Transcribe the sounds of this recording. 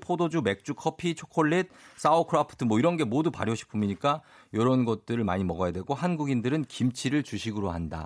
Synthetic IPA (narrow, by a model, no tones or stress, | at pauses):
pʰodod͡ʑume̞k̚t͡ɕ͈ukʰʌpʰit͡ɕʰokʰoɭːit̚s͈aokʰɯɾapʰɯ̥tʰɯmwʌiɾʌnɡe̞modupa̰ɾjoɕʰi̥pʰɯmiɲik͈a | jʌɾʌnɡʌt̚t͈ɯɾɯɭma̰ɲimʌɡʌjadweɡohanɡuɡindɯɾɯnkimt͡ɕʰiɾɯɭt͡ɕuɕʰiɡɯɾoɦanda̰